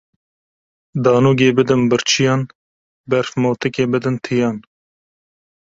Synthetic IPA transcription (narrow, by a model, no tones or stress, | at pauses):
d̪ɑːnuːɡeːbɨd̪ɨnbɨɾt͡ʃʰijɑːn | bɛɾfmoːt̪ɨkʲeːbɨd̪ɨnt̪ʰɨjɑːn